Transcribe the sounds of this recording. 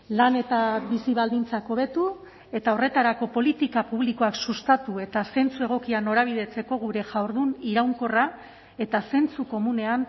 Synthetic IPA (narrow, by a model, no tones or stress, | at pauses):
lane̞t̪abisiβald̪int͡sako̞βe̞t̪u | e̞t̪ao̞re̞t̪aɾako̞po̞lit̪ikapuβ̞liko̞aksust̪at̪ue̞t̪ase̞nt͡sue̞ɣ̞o̞kiano̞ɾaβ̞iðe̞t͡se̞ko̞ɣ̞uɾe̞ʝawɾðuniɾawŋko̞ra | e̞t̪ase̞nt͡suko̞mune̞an